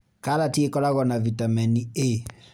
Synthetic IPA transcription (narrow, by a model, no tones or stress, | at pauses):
kalatiekɔlaɣɔnavitamɛnie